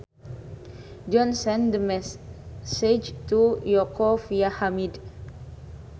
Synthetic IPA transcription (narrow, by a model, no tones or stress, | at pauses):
d͡ʒɔnsɛndmɛssed͡ʒtujɔkɔfjahamid